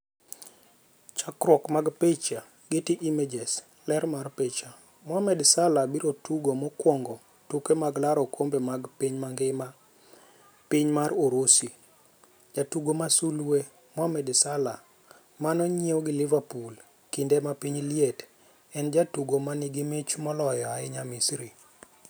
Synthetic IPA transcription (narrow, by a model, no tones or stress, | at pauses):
t͡ʃakɾwɔkmaɡpet͡ʃa | ɡɪtiʔimed͡ʒes | lɛɾmarpet͡ʃa | mwamɛdsalabiɾotuɡomɔkwɔŋɡɔ | tukemaɡlaɾɔkʰombemaɡpiɲmaŋɡɪma | piɲmaroɾosi | d͡ʒatuɡomasulwe | mwamɛdsala | manɔɲeoɡɪlɪvapul | kindemapiɲljet | ɛnd͡ʒatuɡomanɪɡɪmɪt͡ʃmɔlɔjɔaɪɲamisɾi